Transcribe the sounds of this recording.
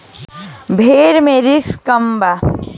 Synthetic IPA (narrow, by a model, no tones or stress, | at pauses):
bʱeːɾmẽɾɪkskəmba